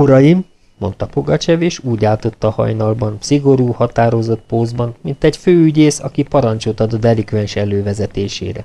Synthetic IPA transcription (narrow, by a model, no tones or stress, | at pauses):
oɾɒjimː | o̞̰nt̪ɒpo̞ɡɒt͡ʃɛveːʃuːɟaːlt̪o̞t̪ːɒhɒ̰jnɒlbɒnsiɡo̞ɾuːhɒt̪aːɾo̞zo̞t̪̚poːzbɒnmint̪ɛɟføːyɟeːsɒ̰kipɒɾɒnt͡ʃot̪ɒd̪od̪ɛlikʋɛnʃɛløːvɛzɛt̪eːʃḛːɾɛ̰